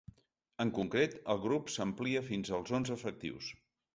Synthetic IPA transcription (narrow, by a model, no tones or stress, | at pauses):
əŋkuŋkɾet̪əlˠɣɾupsəmpliəfinzəlˠzonzəfək̚t̪ḭws